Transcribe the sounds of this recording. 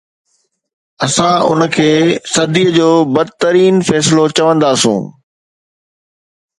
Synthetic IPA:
ɐsãʊ̰nəkʰeːsɐd̪ʱiːəd͡ʑoːbɐd̪t̪ɐɾiːnfɛːsɪlot͡ɕɐʋə̃nd̪aːsṵ̃ː

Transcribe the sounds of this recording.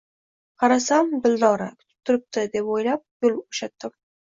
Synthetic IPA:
qʰɑɾasamb̪ɪld̪ɒɾakʲʰʊ̥t̪ʰɪ̥p̚t̪ʰʊɾɪp̚t̪ɪd̪e̞pojlap̚jʊlˠoʃat̪ːɪm

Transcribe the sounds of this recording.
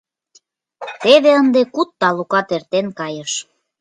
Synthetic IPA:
t̪eβeənd̪ekut̪ːɑlukɑt̪ert̪enkɑjəʃ

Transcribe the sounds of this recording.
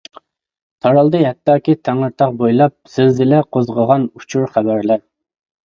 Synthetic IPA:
t̪ʰɑɾɑlˠd̪ɨɦɛt̪ːɑːkʲit̪ʰæŋɨɾt̪ʰɑq̚bojlˠɑp̚sɪzɪlɛqʰozʁəʁɑnut͡ʃʰuɾχæbæɾlɛ

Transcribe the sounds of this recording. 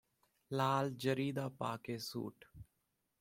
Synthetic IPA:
laːld͡ʒəɾiːd̪aːpa̰ːkeːsṵːʈ

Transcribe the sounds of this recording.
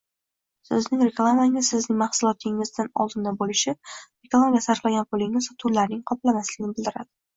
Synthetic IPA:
sɪznɪŋɾeklˠamaŋʲɪzsɪznɪŋmahsʊlˠɒt̪ʰɪŋɪzd̪anɒ̰lˠd̪ɪnd̪abolɪʃɪɾeklˠamaɡʲasaɾflaɡʲanpʰʊlɪŋɪzt̪ʰʊlːaɾnɪŋqʰɒplamaslɪɡʲnɪbɪld̪ɪɾa̰d̪ɪ

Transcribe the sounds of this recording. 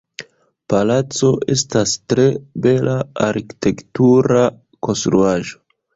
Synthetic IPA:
palat͡so̞ʔḛstastɾe̞be̞lʔaaɾki̥te̞ktuɾa | ko̞nst̪ɾuaʒo

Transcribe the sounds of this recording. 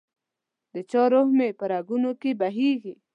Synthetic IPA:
d̪ət͡ʃɑɾohmepəɾaɡunokebaɦiɡi

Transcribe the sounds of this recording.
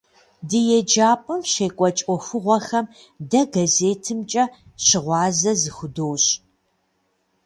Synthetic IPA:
dɨjɛd͡ʒaːpʼɐmɕeːkʷʼɔt͡ʃʼɔxɨʁʷɔxɐm | dɐɡɐzeːtʰɨmt͡ʃʼɐ | ɕɪʁʷɑːzɐzɨxʷʊdoːɕ

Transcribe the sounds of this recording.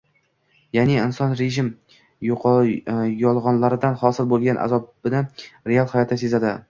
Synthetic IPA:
janɪɪnsɒnɾeʒɪm | jɒlˠʁɒnlaɾɪd̪anχɒsɪɾbolˠɡʲanʔa̰zɒbbɪnɪɾealˠhajɒt̪ʰasezad̪ɪ

